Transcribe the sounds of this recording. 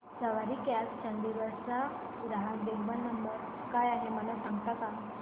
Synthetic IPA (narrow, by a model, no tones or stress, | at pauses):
səʋaɾikalt͡ɕənd̪iʋəɾsa | ɾaɦad̪eɦbənːəmbəɾ | kajaɦeməlasãŋɡt̪aka